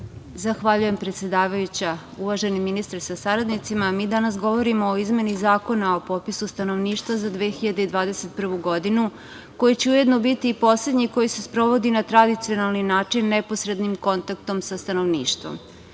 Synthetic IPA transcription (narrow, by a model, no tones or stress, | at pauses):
zaxʋaʎuje̞mpɾet̪se̞d̪aːʋajut͡ɕa | uʋaʒe̞niminist̪aɾsasaɾad̪nit̪simamiːd̪anasɡo̞ʋo̞ɾimoːizme̞nizaːko̞naopo̞t̪pisust̪ano̞ʋniːʃt̪ʋazad̪ʋe̞ːxiʎad̪eid̪ʋaːd̪e̞se̞t̪̚pr̩ʋuɡo̞d̪inu | ko̞jit͡ɕeuje̞d̪no̞bit̪iːpo̞sle̞d̪ɲiko̞jisespɾo̞ʋo̞d̪inat̪ɾad̪it̪sio̞nalˠninaːt͡ʂinːeposɾe̞d̪nimko̞nt̪akt̪o̞msast̪ano̞ʋnḭːʃt̪ʋo̞̰m